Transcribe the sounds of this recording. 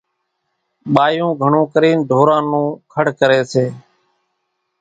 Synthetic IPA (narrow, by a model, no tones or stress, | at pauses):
ɓaːjũːɡʱəɳũːkəɾiːnɖʱoːɾãːnũːkʰəɽkəɾeːseː